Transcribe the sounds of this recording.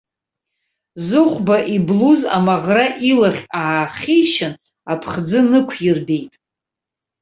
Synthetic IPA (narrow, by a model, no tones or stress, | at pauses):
zɨχʷbaʔibluza̰maʁraʔilaχʲaʕaχʲiʃɪn | apʰχd͡zɨnɨkʷʰjɪrbe̞jtʼ